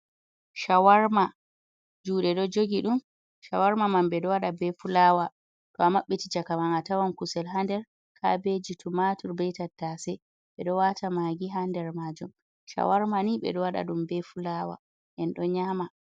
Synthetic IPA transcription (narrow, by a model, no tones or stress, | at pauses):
ʃawaɾma | d͡ʒuːɗɛɗɔd͡ʒoɡiɗum | ʃawaɾmamanɓɛɗɔwaɗabɛfulaːwa | tɔamːaɓːetid͡ʒakamanatawankusɛlɦandɛɾ | kʰa̰bed͡ʒitumatuɾbɛjtatːasɛ | ɓɛɗɔwatamaɡiɦandɛɾmad͡ʒum | ʃa̰waɾmaniɓɛ̰ɗɔwaɗa̰ɗumbɛfulawa̰ | ʔɛnɗɔɲama